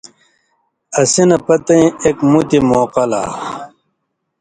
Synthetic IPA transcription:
ɐsinɐpɐt̪ɐĩekmut̪imoːqɐla̰ː

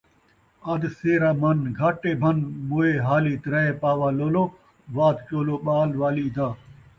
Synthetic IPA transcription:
ɐd̪seːɾaːmɐnɡʱɐʈːeːbʱɐnmoːeːɦaːliːt̪ɾɐeːpaːʋaːloːloː | ʋaːd̪t͡ɕoːloːɓaːlʋaːliːd̪aː

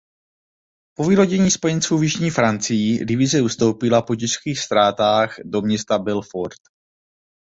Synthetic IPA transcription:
po̞viːlo̞ɟɛɲiːspo̞jɛnt͡suːvjɪʒɲiːfɾant͡sɪjidɪvɪzɛust̪o̞wpɪlapo̞cɪʃkiːxst̪ɾaːt̪aːxdo̞mɲɛst̪abɛlfoɾt̪

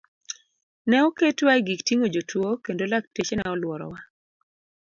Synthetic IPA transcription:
nɛɔketwaiɡiktiŋod͡ʒotʰwokendolak̚tet͡ʃenɛɔlwɔɾɔ̰wa

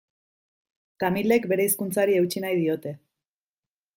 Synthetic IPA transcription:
t̪amile̞kbe̞ɾe̞iskunt͡saɾie̞wt͡ʃinajðio̞t̪e̞

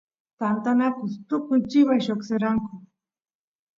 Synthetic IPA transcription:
tant̪anakʊst̪ʊkʊjt͡ʃɪβajʃokseɾaŋkʊ

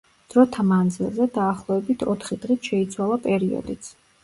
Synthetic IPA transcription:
d̪̥ɾɔt̪ʰamand̪zilˠzɛd̪aːχlˠɔɛbit̪ʰɔt̪ʰχid̪̥ʁit̪ʰʃɛit̪sʰwalˠapʼɛɾiɔ̰d̪it̪sʰ

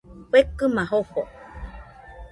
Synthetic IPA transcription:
ɸekɨmãɦoho

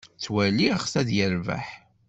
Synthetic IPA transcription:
t͡sːwæliχsæðjəɾvæ̰ħ

